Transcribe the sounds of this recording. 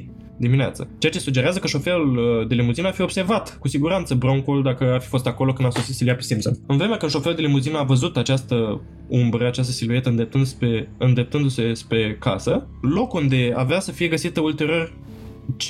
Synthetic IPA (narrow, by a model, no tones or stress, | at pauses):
d̪iminea̰t̪sət͡ʃe̞at͡ʃe̞suɡd͡ʒeɾeazəkəʃo̞fe̞luld̪e̞limuzinəafio̞bse̞rvat̪kusiɡuɾant̪səbɾo̞ŋkuld̪akəafi̥fo̞st̪ako̞lo̞kɨnd̪aso̞sit̪siliapesimpso̰nɨnvɾe̞meakəʃo̞feuld̪e̞limuzinəavəzut̪at͡ʃast̪ə | umbɾəat͡ʃast̪əsiluje̞t̪əɨnd̪ep̚t̪ɨnd̪speɨnd̪e̞p̚t̪ɨnd̪use̞spɾe̞ka̰sə | lo̞kund̪e̞a̰veasəfije̞ɡəsit̪əult̪e̞ɾior | t͡ʃ